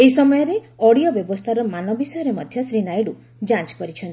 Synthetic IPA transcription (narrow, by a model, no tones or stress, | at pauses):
eisɔmɔjɔɾe | ɔɽijɔbjɔbɔst̪ʰaɾɔmanɔbisɔjɔɾemɔd̪ʱjɔsɾinajɽu | d͡ʒãt͡ʃkɔɾit͡ʃʰɔnt̪i̥